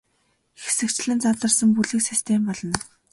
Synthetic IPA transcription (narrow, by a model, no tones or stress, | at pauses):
xe̥sɘ̆kt͡ɕɮɘ̆nt͡saɮə̆rsə̆mpuɮɘ̆ksist̪ʰempɔɮɞ̆n